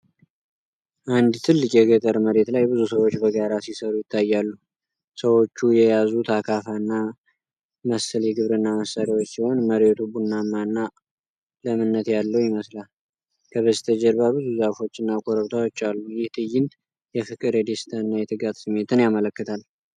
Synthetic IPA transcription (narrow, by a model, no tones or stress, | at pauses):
ʔand̪t̪ʰɨlːɨkʼjɛɡət̪ʼəɾməɾe̞t̪lajbɨzusəwo̞t͡ʃːbəɡaɾasisəɾujɪt̪ʰːajːalːu | səwo̞t͡ʃːujɛjazut̪ʰakʰafanːa | məsəljɛɡɨβɾɨnːaməsːaɾawo̞t͡ʃːsiho̞nməɾet̪ʰubunːamːanːa | ləmɨnːət̪jalːəwjɪməslal | kʰəβəst̪ʰəd͡ʒɛɾbabɨzuzafo̞t͡ʃːɨnːakʰo̞ɾəβt̪ʰawot͡ʃːalːujɪht̪ʰɨjɪn | jɛfɨkʼɨɾjɛd̪est̪ʰəɨnːajɛt̪ʰɨɡat̪sɨmːe̞t̪ʰɨnjamələkːɨt̪ʰal